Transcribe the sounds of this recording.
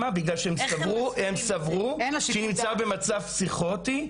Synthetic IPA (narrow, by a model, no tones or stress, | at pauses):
abiɡlalʃeemsavʁuemsavʁuʃinimt͡saʁbe̞mat͡safsiχot̪i